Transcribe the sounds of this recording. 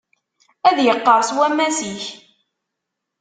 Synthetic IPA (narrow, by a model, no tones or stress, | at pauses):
æðjəqːəɾˤswæmːæsiç